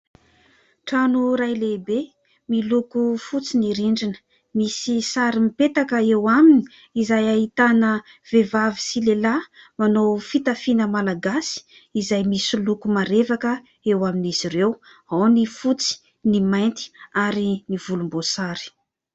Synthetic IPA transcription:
ʈ͡ʂanuɾajlebe | milukufut͡siniɾiɳɖ͡ʐinə̥ | misisaɾimipet̪akəewamini̥ | izajaɦit̪anə | vevavisilelamanofit̪afinəmalaɡasi̥ | izajmisilukumaɾevakə | ewaminiz̥iɾew | awnifut͡si̥ | nimajnt̪i̥aɾinivulumbosaɾi̥

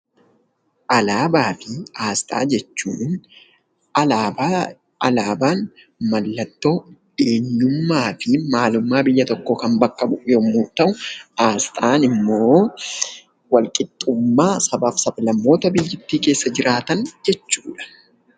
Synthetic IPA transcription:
ʔɐlaːbaːfɪaːst̪ʼa̰ːd͡ʒɛt͡ʃːṵːn | ɐaːb | ɐlaːbaːn | mɐlːɐt̪ːo̞ːd̪̥e̞ːɲːʊmːaːfɪmaːlʊmːaːbɪjːɐt̪ɔkːoːkɐmbɐkːɐbʊʔjoːmːuːt̪ɐʔʊaːst̪ʼaːnɪmːo̞ː | wɐlkʼɪt̪ʼːʊmːaːsɐbaːfsɐblɐmːo̞ːt̪ɐbɪjːɪt̪ːiːke̞ːsːɐd͡ʒɪɾʔaːt̪ɐnd͡ʒɛt͡ʃːuːᶑɐ̥

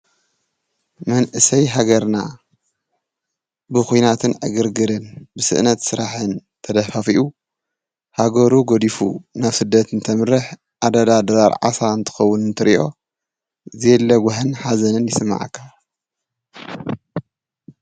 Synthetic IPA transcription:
mɐnʔɨsɐjɦaɡɐɾna | bɨxujnat̪ʰɨnʕɨɡɨɾɡɨɾɨnbɨsɨ̰ʔnɐt̪sɨɾaħɨnt̪ʰɐd̪ɐfafiʔu | haɡɐɾuɡod̪ifṵnaβsɨd̪ːɐt̪nt̪ʰɐmɨɾɨħ | ʔad̪ɐd̪ad̪ɐɾaɾʕa̰saɨnt̪ʰɨ̥xɐwːʊnɨnt̪ʰɨɾiʔo̞ | zelːɐɡʷʊħɨnħazɐnɨnjɪsɨmːa̰ʕa̰kʰːa

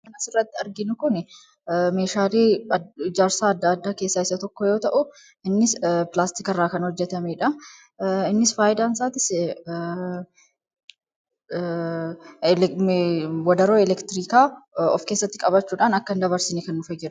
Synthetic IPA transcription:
kɐnɐsɪrːɐt̪ːɪɐɾɡɪnʊkʊn | meːʃaːleːd͡ʒaːɾsaːɐd̪ːaːd̪ːaːke̞ːsːaːɪsɐt̪ɔkːɔjo̞ːt̪ɐʔʊ | ɪnːɪspɪlaːst̪ɪkɐrːaːkɐnhɔd͡ʒːɛt̪ɐmeːᶑɐ | ɪnːɪsfaːjɪd̪aːnsaːt̪ɪs | wɔd̪ɐɾoːɛlɛkt̪ɪɾiːkaːɔ̰fke̞ːsːɐt̪ːɪkʼɐbɐt͡ʃːuːᶑaːnɐkːɐnd̪ɐbɐɾsɪnekɐnːʊfɐd͡ʒɛᶑʊ̥

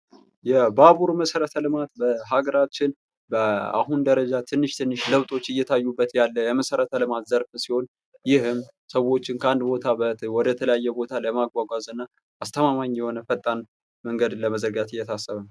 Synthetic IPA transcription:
jɛbaβuɾməsəɾət̪ʰəlɨmat̪bəɦaɡəɾat͡ʃːɪn | bəa̰ɦund̪əɾəd͡ʒat̪ʰɨnːɨʃt̪ʰɨnːɨʃləβt̪ʼo̞t͡ʃːɨjːɛt̪ʰajːubːət̪jalːəjɛməsəɾət̪ʰəlɨmat̪zəɾfsiho̞n | jɪhɨm | səwo̞t͡ʃːɪŋkʰəand̪bo̞t̪ʰabəwɔd̪ət̪ʰələjajːɛbo̞t̪ʰaləmaɡʷwaɡʷazɨnːa | ast̪ʰəmamaɲjɛhonəfət̪ʼːan | məŋɡəd̪ləməzəɾɡat̪ɨjːɛt̪ʰasːəβən

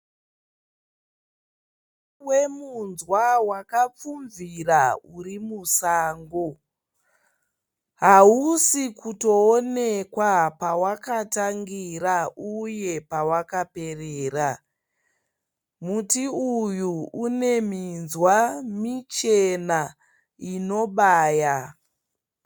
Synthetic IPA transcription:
we̞munzwawakap͡fuɱviraurimusaːŋɡo | ɦausikuto̞ːnekwapawakataŋɡiɾauje̞pawakape̞reːra | mutiujuune̞minzwamit͡ʃena | ino̞ɓaːja

